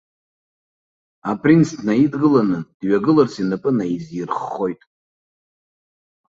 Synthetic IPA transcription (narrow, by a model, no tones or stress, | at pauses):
apʼrinsdnaidɡɨlanɨd̥ɥaɡɨlɨrsʰinɨpʼɨnaizjirχːo̞jtʼ